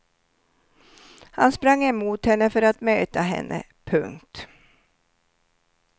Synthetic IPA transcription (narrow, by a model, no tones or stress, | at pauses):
hanspɾaŋːɛmuːt̪hɛnːəfœɾat̪møːt̪aɦɛ̰nːʔə̰ | pʰɵŋkt̪